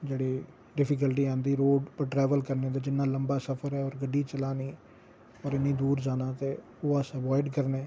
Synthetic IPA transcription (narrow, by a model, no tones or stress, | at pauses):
d͡ʒeːɽiː | ɖɪpʰɪk̬əlʈiːãːnd̪iːɾoːɖpəʈɾɛːʋəlkəɾnẽːd̪aːd͡ʒɪnːãːləmbaːsəpʰəɾɛːɔːɾɡəɖːiːt͡ʃəlaːniː | ɔːɾɪnːĩːd̪uːɾd͡ʒaːnãːt̪eː | oːəsəʋɔːɪɖkəɾneː